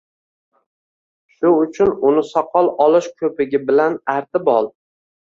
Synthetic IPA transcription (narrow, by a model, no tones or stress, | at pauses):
ʃʊʊt͡ʃʰʊnʊnɪsɒqʰɒlˠɒlɪʃkʲʰɵpɪɡʲɪbɪlanaɾt̪ʰɪbɒlˠ